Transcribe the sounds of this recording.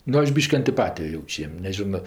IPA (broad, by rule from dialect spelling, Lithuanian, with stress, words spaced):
ˈnʊ ˈɐʃ ˈbʲiːʃʲkʲɪ ɐnʲtʲɪˈpɑːtʲɪjoː ˈjɛʊt͡ʃʲ ˈjiɛm nʲɛˈʒʲɪnoː